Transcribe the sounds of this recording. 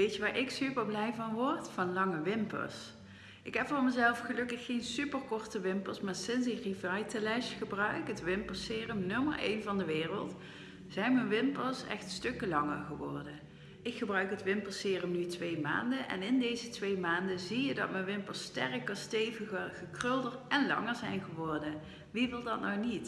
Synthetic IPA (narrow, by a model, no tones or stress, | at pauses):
ʋejəʋaːɹʔɪksypəɹblɛjvɑnʋɔɹtfɑnlɑŋəʋɪmpə̰s | ʔɪkɦɛpfʊːɹməzɛlˠfχəlɵkəxːejnsypərkɔɹtəʋɪmpəɹsmaːɹsɪnsɪkrivɑjtəlɛʃxəbrœɥkətʋɪmpəɹsɪːrəmnɵmə̰ɹḛjnvɑndəʋɪːrəlˠt | z̥ɛjnmənʋɪmpəlsɛ̰xtstɵkəlɑŋəɹɣəʋɔɹdə | ɪkχəbrœɥkɦətʋɪmpəsɪːrəmnytʋejma̰ːndənʔɛ̰nɪndejzətʋejmaːndəzijədɑ̰tmənʋɪmpəstɛrəkəɹstejvəɣəɣəkrɵlˠdəɹɛnlɑ̰ŋəɹzɛjnɣəʋɔɹdə | ʋiʋɪlˠdɑtnɔwnit